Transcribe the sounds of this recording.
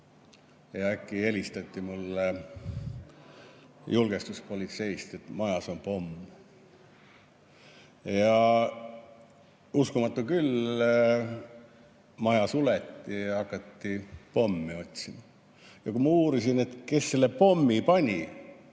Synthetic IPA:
jɑækːˑie̞lʲist̪ɑt̪ʲːimulː | julɡ̥e̞st̪uspo̞lʲit̪se̞jst̪e̞t̪mɑjɑso̞npo̞mː | jɑ | uskumɑt̪ːukyl | mɑjɑsulet̪ːiɑkːˑɑt̪ːipo̞mːio̞t̪ʲsimɑ | jɑkumɑuːɾisine̞t̪ke̞sːe̞lːe̞po̞mːipɑnʲi

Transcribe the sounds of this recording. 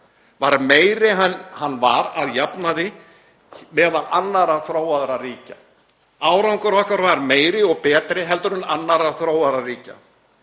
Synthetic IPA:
vaɾmeːjɾɪɦahanːva̰ɾaðjapnaðɪ | mɛːðalʔanːaɾaθɾoːwaðɾariːca | aːwɾawŋkɔɾvɔhkaɾvaɾmeːjɾɪɔɣpɛːt̪ɾɪɦɛlt̪ʏɾʏnanːaɾaθɾoːwaðɾariːca̰

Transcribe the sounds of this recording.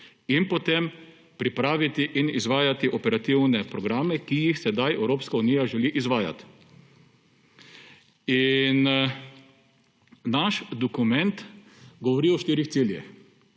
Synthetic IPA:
inpot̪em | pɾipɾaːʋit̪iʔinizʋaːjat̪iʔɔpɛɾat̪iwnɛpɾɔɡɾaːmɛkijixsɛd̪ajɛwɾoːpskauniːjaʒɛliʔizʋaːja̰t̪ | in | naʃd̪ɔkumɛnt̪ | ɡɔʋɔɾiɔʃt̪iːɾixtsiljɛ̰x

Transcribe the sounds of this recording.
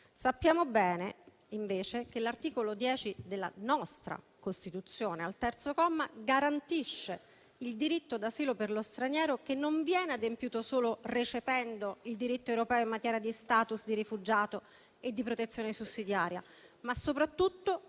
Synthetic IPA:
sapːjaːmobɛːne | iɱveːt͡ʃekelːart̪iːkolod̪jɛːt͡ʃid̪elːa̰nɔst̪ɾa̰ | kost̪it̪ut̪sːjoːnealt̪ɛrt̪sokɔmːaɡaɾant̪iʃːe | ild̪iɾit̪ːod̪asiːloperlost̪ɾanjɛːɾokenːoɱvjɛːnead̪empjuːt̪osoːloret͡ʃevɛnd̪oild̪iɾit̪ːoewɾopɛːoimːat̪jɛːɾjad̪ist̪aːt̪usd̪irifud͡ʒaːt̪o | ed̪ːipɾot̪et̪sːjoːnesusːid̪jaːɾja | masːopɾat̪ːut̪ːo

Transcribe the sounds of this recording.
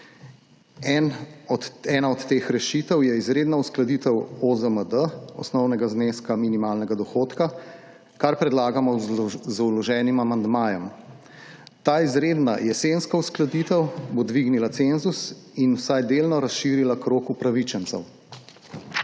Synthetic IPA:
ɛnɔɛːnaɔt̪ːeːxɾɛʃit̪ɛwjɛizɾeːd̪nausklad̪iːt̪ɛwozəməd̪əɔ̰snɔwnɛɡazneːskaminimaːlnɛɡad̪ɔxoːt̪ka | kaɾpɾɛd̪laːɡamɔzulɔʒɛːnimamand̪maːjɔm | t̪aːizɾeːd̪na̰jɛsenskausklad̪it̪ɛwbod̪ʋiɡnilat̪senzus | inwsajd̪eːlnɔɾasʃiːɾilakɾoːkupɾaʋit͡ʃɛnt̪sɛ̰w

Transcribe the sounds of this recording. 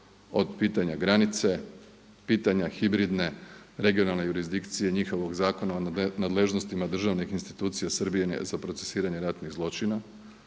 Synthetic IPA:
o̞d̪piːt̪aɲaɡɾanit̪se̞ | piːt̪aɲaxibɾid̪ne̞ɾe̞ɡijo̞nalˠnejuɾizd̪ikt̪sije̞ɲixo̞ʋo̞ɡzaːko̞naonad̪le̞ʒno̞st̪imad̪r̩ʒaʋnixinst̪i̥t̪uːt̪sijasr̩bijenḛzapɾose̥siːɾaɲe̞ɾat̪niɣzlˠo̞t͡ʃina

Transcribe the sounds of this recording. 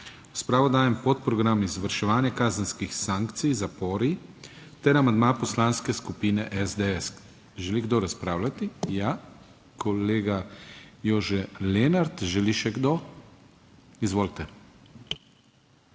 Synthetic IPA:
ɾaspɾaːʋɔd̪aːjɛmpot̪pɾɔɡɾamizʋaɾʃɛʋaːnjɛkaːzənskixsaːŋkt̪sijzapoːɾi | t̪ɛɾamãnd̪mapɔslaːnskɛskupiːnɛʔɛzd̪eɛs | ʒɛliɡd̪oɾaspɾaːwlat̪ija | kʰɔleːɡajoːʒɛleːnaɾt̪ʒɛliʃɛɡd̪o | izʋoːlt̪ɛ

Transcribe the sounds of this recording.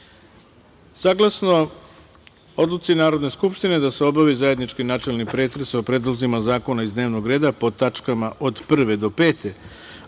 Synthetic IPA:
saɡlˠasno | o̞d̪lˠut̪sinaːɾo̞d̪ne̞skupʃt̪ine̞d̪aseo̞baʋizaje̞d̪nit͡ʃkinat͡ʃe̞lˠnipɾe̞ːt̪ɾesopɾe̞d̪lˠozimazaːko̞naizd̪neːʋno̞ɡɾe̞ːd̪apo̞t̪at͡ʂkamaʔo̞d̪pr̩ʋe̞d̪o̞pe̞ːt̪e̞

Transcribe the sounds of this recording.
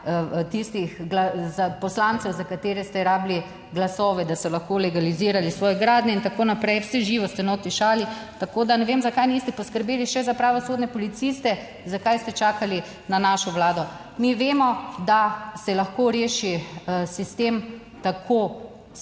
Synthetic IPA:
t̪ist̪ixɡlazapɔslant̪sɛwzakat̪eːɾɛst̪ɛɾaːbli | ɡlasɔːʋɛd̪asɔlaxkolɛɡaliziːɾalisʋɔːjɛɡɾaːd̪nɛint̪akoːnapɾɛjwsɛʒiːʋɔst̪ɛnot̪iʃaːlit̪akoːd̪anɛʋemzakajnist̪ɛpɔskəɾbeːliʃɛzapɾaːʋɔsoːd̪nʲɛpɔlit̪sist̪ɛ | zakajst̪ɛt͡ʃaːkali | nanaːʃɔʋlaːd̪ɔ | miʋeːmɔd̪asɛlaxkoːɾeːʃisist̪em | t̪akʰo

